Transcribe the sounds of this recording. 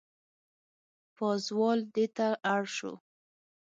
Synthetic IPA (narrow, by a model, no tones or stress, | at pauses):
pɑzwɑld̪et̪aʔaɽʃo̰